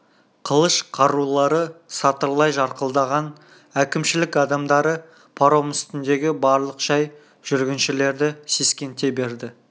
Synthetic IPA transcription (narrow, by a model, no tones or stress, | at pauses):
qʰəlˠəʃqʰɑɾulˠɑɾəsɑt̪əɾlˠɑjʒɑɾqəlˠd̪ɑʁɑn | ækʲɪmʃɪlɪkɑd̪ɑmd̪ɑɾə | pʰɑɾomɪst̪ɪnd̪e̞ɡʲɪbɑɾlˠəqʒ̥ɑj | ʒ̥ʏɾɡʲɪnʃɪle̞ɾd̪ɪse̞skʲe̞nt̪e̞be̞ɾd̪ɪ